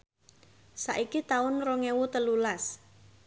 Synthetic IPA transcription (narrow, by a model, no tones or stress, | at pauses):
saʔikit̪aʊnroŋewut̪əlulas